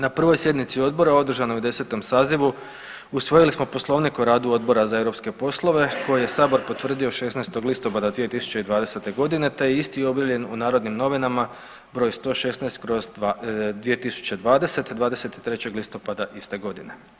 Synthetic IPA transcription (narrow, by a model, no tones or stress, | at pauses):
napr̩ʋo̞jsje̞d̪nit̪sio̞d̪bo̞ɾao̞d̪r̩ʒanoud̪e̞se̞t̪o̞msaːziʋu | usʋo̞jilismo̞po̞slˠo̞ʋnikoɾaːd̪uo̞d̪̚bo̞ɾazaeʋɾo̞pske̞po̞slˠo̞ʋe̞ko̞jije̞saːbo̞ɾpo̞t̪ʋr̩d̪io̞ʃesnajst̪o̞ɡlist̪o̞pad̪ad̪ʋije̞t̪isu̥t͡ɕeid̪ʋaːd̪e̞se̞t̪e̞ɡo̞d̪ine̞t̪e̞jeist̪io̞bjaʋʎe̞nunaːɾo̞d̪nimno̞ʋinama | bɾo̞ːjst̪o̞ːʃe̞snajst̪̚kɾo̞zd̪ʋije̞t̪isu̥t͡ɕe̞d̪ʋaːd̪e̞se̞t̪d̪ʋaːd̪e̞se̞t̪i̥t̪ɾe̞t͡ɕe̞ɡlist̪o̞pad̪aʔist̪e̞ɡo̞d̪ine̞̰